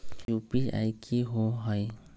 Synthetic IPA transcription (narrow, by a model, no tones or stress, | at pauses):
jupia̰jkʰiɦoɦɔj